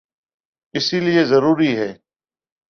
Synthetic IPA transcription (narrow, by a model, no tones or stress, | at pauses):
ɪsiːlɪeːzəɾuːɾiːɦɛː